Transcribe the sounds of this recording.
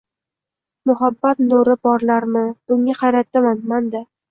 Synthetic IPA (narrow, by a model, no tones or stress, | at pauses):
mʊɦabːat̪noɾɪbɒɾlaɾmɪb̥ʊŋːaqʰɑjɾat̪ːamanmand̪a